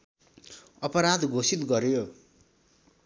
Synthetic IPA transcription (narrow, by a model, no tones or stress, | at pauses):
ʌpʌɾad̪ɡʱosit̪ɡʌɾjo